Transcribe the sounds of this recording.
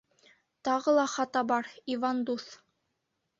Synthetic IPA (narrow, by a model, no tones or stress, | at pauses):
t̪ɑʁɤlˠɑχɑt̪ɑbɑɾivɑnd̪uθ